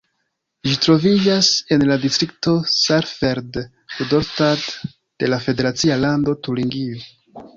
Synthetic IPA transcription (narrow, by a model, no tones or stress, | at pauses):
ʒitɾo̞vid͡ʒase̞nladistɾik̚to̞saɾfeɾd | udoɾstad | d̥e̞lafe̞de̞ɾat͡sialando̞tuliŋɡio